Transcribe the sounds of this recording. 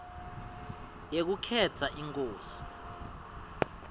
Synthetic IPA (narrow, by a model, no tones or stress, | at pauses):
jek̬ukʰɛt͡sʰaʔiŋkʼoːsi̥